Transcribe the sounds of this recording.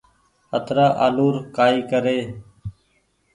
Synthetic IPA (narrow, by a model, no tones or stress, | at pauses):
ət̪ʰɾaːʔa̰ːluːɾkaːiːkəɾeː